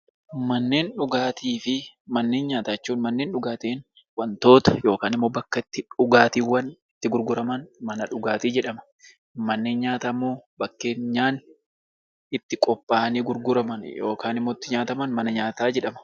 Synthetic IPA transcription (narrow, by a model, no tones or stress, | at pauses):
mɐnːe̞ːnᶑʊɡaːt̪iːfɪ | mɐnːe̞ːnɲaːt̪at͡ʃːuːnmɐnːe̞ːnᶑʊɡaːt̪eːn | wɐnt̪o̞ːt̪ɐ̥jo̞ːkaːnɪmːo̞ːbɐkːɐɪt̪ːɪᶑʊɡaːt̪iːwɐnɪt̪ːɪɡʊɾɡʊɾɐmɐnmɐnɐᶑʊɡaːt̪iːd͡ʒɛᶑɐmɐ̥ | mɐnːe̞ːnɲaːt̪amːoːbɐkːe̞ːnɲːaːn | ɪt̪ːɪkʼɔpʼːaːniːɡʊɾɡʊɾɐmɐnjoːkaːnɪmːoːɪt̪ːɪɲaːt̪ɐmɐnmɐnɐɲaːt̪aːd͡ʒɛᶑɐmɐ̥